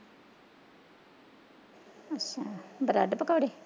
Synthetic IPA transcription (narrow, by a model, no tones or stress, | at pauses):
ətʃʰaːbəɾa̰ɖpəkaːɽeː